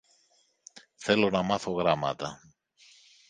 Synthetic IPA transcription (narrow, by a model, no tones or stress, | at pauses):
θe̞lo̞nɐmɐθo̞ɣɾɐmɐ̰t̪ɐ